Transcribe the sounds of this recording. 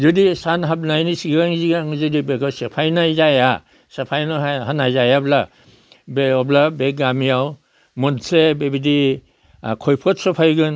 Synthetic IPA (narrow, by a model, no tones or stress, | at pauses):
zɯdisanɦab̚najnisiɡɡaŋziɡaŋzɯdibeɡasepʰajnajzaja | sepʰajnɔaɦanajzajabla | beɔblabeɡamijaw | mɔnsebebidi | kʰɔjpʰɔt̚sɔpʰajɡɯn